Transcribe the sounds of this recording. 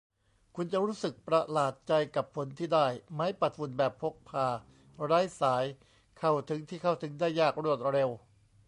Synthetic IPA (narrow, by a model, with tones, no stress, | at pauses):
kʰu˧nt͡ɕa˨˩ʔɾuː˦˥sɯ˨˩k̚pɾa˧laː˨˩t̪̚t͡ɕa˧jka˨˩pʰːo˩˦nt̪ʰiː˥˩daː˥˩jmaː˦˥jpa˨˩t̪̚fu˧˩nbɛː˨˩pʰːo˦˥k̚pʰaː˧˩ | ɾaː˦˥jsaː˩˦j | kʰa˧˩wt̪ʰɯ˩˦ŋt̪ʰiː˥˩kʰa˥˩wt̪ʰɯ˩˦ŋdaː˥˩jːaː˥˩k̚ɾu˥˩ət̪̚ɾe˧w